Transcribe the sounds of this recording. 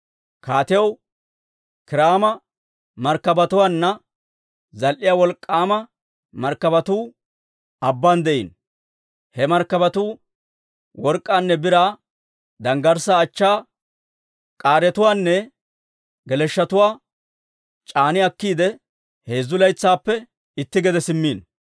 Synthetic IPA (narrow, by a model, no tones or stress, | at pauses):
kaːt̪ɪjɐw | kɪɾaːmɐ | mɐɾkːɐbɐt̪ʊwaːnːɐ | zɐlʔɪjaːwɔlkʼːaːmɐ | mɐɾkːɐbɐt̪uː | ɐbːand̪ɛʔḭn | hɛmɐɾkːɐbɐt̪uː | wɔɾkʼːaːnːɛbɪɾa | d̪ɐŋɡɐɾsaːt͡ʃːaː | kʼaːɾɛt̪ʊwaːnːɛ | ɡɛlɛʃːɐt̪ʊwaː | t͡ʃʼaːnɪɐkːiːd̪ɛ | he̞ːzːʊlɐjt͡sːaːpːɛ | ɪt̪ːɪɡɛd̪ɛsɪmːiːn